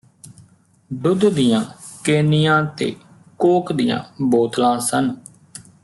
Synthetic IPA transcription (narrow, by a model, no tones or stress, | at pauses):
ɖʊd̪d̪ɪjãːkeːnɪjãːt̪ḛː | koːkd̪ɪjã̰ːboːt̪lãːsən